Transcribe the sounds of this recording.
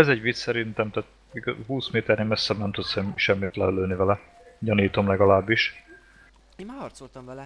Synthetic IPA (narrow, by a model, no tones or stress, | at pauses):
ɛzɛɟʋit̪ssɛɾint̪ɛmt̪aːt̪̚ | iɡɦuːsmeːt̪ɛrneːmɛsːɛbnɛmt̪ut̪sɛmʃɛmːit̪lɛøløːlnivɛlɛ | ɟɒniːt̪o̞mlɛɡɒlaːbːiʃ